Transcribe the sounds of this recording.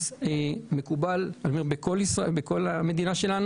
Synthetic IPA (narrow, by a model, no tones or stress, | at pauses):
zeme̞kubalanomeʁbekolisʁaebeko̞lame̞d̪inaʃe̞lan